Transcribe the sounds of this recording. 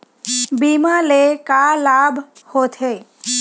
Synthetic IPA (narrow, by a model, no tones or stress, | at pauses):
biːmalekalaːbʱhot̪ʰeː